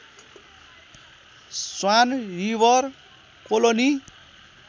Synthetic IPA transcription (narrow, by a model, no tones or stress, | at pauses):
swanɾibʌr | koloni